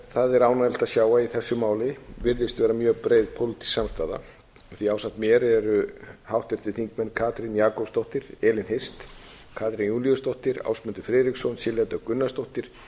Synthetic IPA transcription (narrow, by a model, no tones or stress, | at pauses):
θaðɛɾaːwnaðɛlt̪aðsjaːwaiθɛsːʏmaːwlɪvɪɾðɪst̪vɛːɾamjœːpɾeːjðpʰowlɪt̪ʰi̥samst̪aːða̰ | θiaːwsaht̪mjɛːɾɛɾʏhawht̪ɛ̥t̪ɪθiŋkmɛnːkʰaːt̪ɾɪnjaːkɔpst̪oht̪ɪɾ̥ɛːlɪnhest̪ | kʰaːt̪ɾɪnjuːnliʏst̪owht̪ɪɾa̰wsmɛnt̪ʏɾfɾɛːðɾiksɔnsɪljat̪œkʏnːast̪owht̪ɪɾ̥